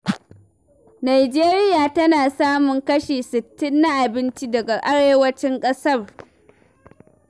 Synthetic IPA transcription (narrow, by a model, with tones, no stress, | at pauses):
na˨jd͡ʒeː˦ɾɪ˦jaː˨tɐ˦naː˨saː˦mʊ˨ŋkɐ˦ʃiː˨sɪ˨tːɪ˦nːa˦ʔa˨bɪ˦nt͡ʃi˦dɐ˨ɡa˨ʔa˦ɽeː˦wɐ˦t͡ʃɪ˦ŋkʼɐ˦sɐ˦r